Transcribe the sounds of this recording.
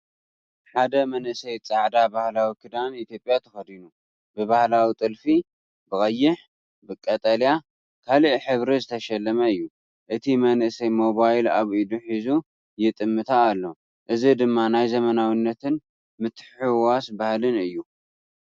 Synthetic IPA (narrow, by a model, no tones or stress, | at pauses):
ħad̪ɐmɐnʔɨsɐjt͡sʼaʕd̪abahlawikʰɨd̪anit̪jo̞pʼjat̪ʰɐxɐd̪inu | bɨβahlawit̪ʼɨlfi | bɨkʼɐjːɪħ | bɨkʼːɐt̪ʼɐlja | kʰaliʔħɨβɾizɨt̪ʰɐʃɐlːɐmɐɨjːu | ʔɨt̪ʰimɐnʔɨsɐjmo̞βajlaβʔid̪uħizu | jɪt̪ʼɨmːɨt̪ʰaːlːo̞ | ʔɨzid̪ɨmːanajzɐmɐnawinːɐt̪ʰɨn | mɨt̪ħħɨwasbahlɨnɨjːu